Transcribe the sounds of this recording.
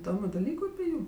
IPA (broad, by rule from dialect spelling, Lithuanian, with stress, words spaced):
ɪˈdoːmʲʊ dɐˈlʲiːkʊ ɐpʲɪ ˈjuːm